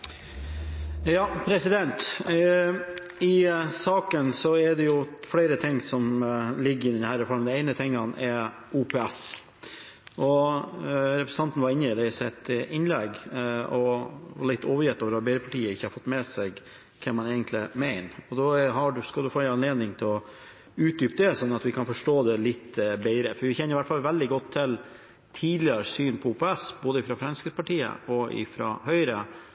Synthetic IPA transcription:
jɑːpʰɾɛsɪd̪ɛnt̪ | ɪsɑːkənsɔɛd̪ɛjʊfɽeɪɾət̪ʰɪŋːsɔmlɪɡːəɾɪd̪ɛnhæːɾɔfɔɾmd̪ɛɛɪnət̪ʰɛŋːɑnɛ | uːpʰeːæs | ʔɔ | ɾɛpɾəsəɑnt̪n̩ʋɑɾɪnːəɪd̪ɛɪsɛt̪ɪnlɛɡɔʋɑlɪt̪ːoːʋəɾjɛt̪ːoːʋəɾɑbeɪɾəpʰɑʈiːəɪçːəhɑɾfɔt̪ːmɛsɛɡ | kʰɛmːɑneːɡənt̪lɪmæɪnɔd̪ɔɦɑɖʉskɑld̪ʉfoːɛɑnleːd̪nɪŋt̪ʰɪlɔ | ʉːt̪̚d̪yːpd̪ɛsɔnːɑt̪ʋɪkʰɑnfɔʂʈoːd̪ɛlɪt̪ːbæɪɾəfɔɾʋɪçɛnːəɪʋæʈːfɑlʋɛld̪ɪɡɔt̪ʰːɪl | t̪ʰiːd̪lɪɾsyːnpʰɔuːpɛɛsboːd̪əɪfɾɑfɾɛnskəpɑʈiːə̰ɔʔɪ̰fɾɑ̰hœʏɾə

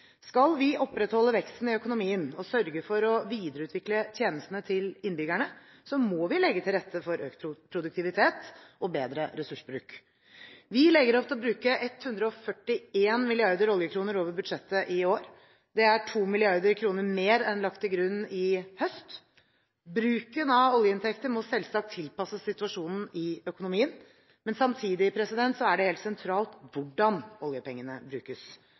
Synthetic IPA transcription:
skɑlʋɪʔɔpːɾɛt̪hɔlːəʋɛkst̪n̩ɪœkʊnʊmiːənɔsœɾɡəfɔɾɔʋiːd̪əɾəʉːt̪ʋɪklət̪ʰjeːnəst̪n̩ət̪ʰɪlɪnbʏɡæɳə | sɔmɔʋɪlɛɡːət̪ʰɪlɾɛt̪ʰːəfɔɾøːkʰpʰɾʊd̪ʉk̚t̪ɪʋɪt̪ʰeːt̪ɔbeːd̪ɾəɾɛsʉʂbɾʉːk | ʋɪlɛɡəɾɔft̪ʰɛlɔbɾʉːkəʔɛt̪hʉnd̪ɾəɔfœʈːɪeːnmɪlɪɑɾd̪əɾɔljəkʰɾuːnəɾoːʋəɾbʉd̪ʂɛt̪ːəʔɪoːɾ | d̪ɛæʈʰuːmɪlɪɑɾd̪əɾkʰɾuːnəɾmeːɾɛnlɑkt̪ːɪlɡɾʉnːɪhœst̪ | bɾʉːkənɑɔljəɪnt̪ʰɛkt̪əmɔsɛlsɑk̚t̪ʰːɪlpɑsːəsɪt̪ʉɑʂuːnn̩ɪœkʊnʊmiːən | mɛnsɑmt̪ʰiːd̪ɪpʰɾɛsɪd̪ɛnt̪sɔæɖɛheːlt̪sɛnt̪ʰɾɑːlt̪ʋʊɖɑnɔljəpɛŋːənəbɾʉːkəs

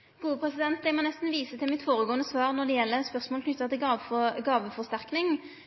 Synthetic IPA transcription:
ɡ̥uːəpʰɾɛsɪd̪ɛnt̪̚d̪ɛɪmɔnɛst̪n̩ʋiːsət̪ʰɪlmɪt̪foːʁəɡoːənəsʋɑːʁnɔd̪ɛjɛlːəspœʁsmoːlknʏt̪ːət̪ɪlːɡɑːʋəfɔʁst̪æʁknɪŋ

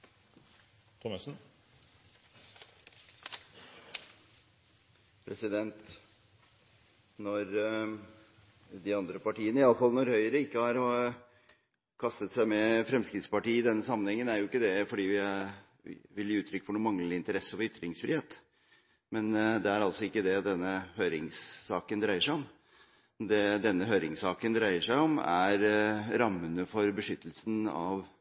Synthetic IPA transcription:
t̪ʰɔməsn̩ | pʰɾɛsɪd̪ɛnt̪ | nɔɾ | d̪ɪɑnd̪ɾəpɑʈiːənəɪɑləfɑlnɔɾhœʏəɾəɪkːəhɑɾ | kʰɑst̪ət̪sæɪmɛfɾɛmskɾɪt̪spɑʈiːɪd̪ɛnːəsɑmːənhɛŋːənæɾjʊɪkːəd̪ɛfɔɖiːʋɪ̰ | ʋɪljəʉːt̪ɾʏkːfɔɳuːmɑŋləlɪɪnt̪əɾɛsːəʋɔɾʏt̪ːɾɪŋsfɾɪheːt̪ | mɛnd̪ɛæɾɑlt̪sɔɪkːəd̪ɛd̪ɛnːəhøʏɾɪŋsːɑːkənd̪ɾæɪəʂæɪɔm | d̪ɛd̪ɛnːəɦøːɾɪŋsɑːkənd̪ɾæɪəʂæɪɔmæɾɾɑmːənəfɔɾbəʂʏt̪ːəlsənɑ̰ʋ

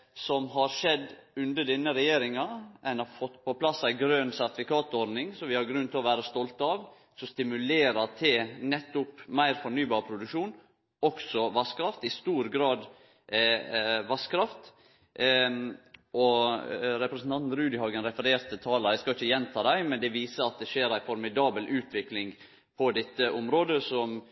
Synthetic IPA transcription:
sɔmɦɑɾʂɛd̪ʉnd̪əd̪ɛnːəɾɛjeːɾɪŋɑʔɛɪnɑɾfɔt̪ːpʰɔpʰlɑsæɪɡɾøːnsæɾt̪ɪfɪkɑːt̪ɔɾd̪nɪŋsɔʋɪhɑɾɡɾʉnt̪ʰɪlɔʋæːɾəst̪ɔlt̪ɑʋ | sɔst̪ɪmʉleːɾɑt̪ʰɪnɛt̪ːʊpmæɪɾfɔɳyːbɑːɾpʰɾʊd̪ʉkʃuːn | ɔksɔʋɑskʰɾɑft̪ɪst̪uːɾɡɾɑːd̪ | ʋɑskʰɾɑft̪ | ɔɾɛpɾɛsn̩t̪ɑnt̪n̩ɾʉːd̪ɪhɑːɡənɾɛfəɾeːɾt̪ʰət̪ʰɑːləɾæɪskɑɪçːəjɛnt̪ʰɑːd̪æɪmɛnd̪ɛʋiːsəɾɑt̪̚d̪ɛʃeːɾæɪfɔɾmɪd̪ɑːbəlʔʉːt̪ʰʋɪklɪŋ | pʰɔd̪ɛt̪ːəʔɔmɾoːd̪əsɔm

